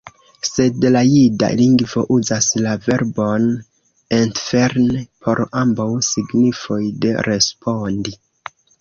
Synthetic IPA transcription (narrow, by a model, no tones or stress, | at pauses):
se̞dlajida̰liŋɡvo̞̰ʔuzaslave̞ɾbo̞n | entfeɾnpʰo̞ɾambawsiɡnifo̞jde̞̰ɾe̞spʰo̞ndi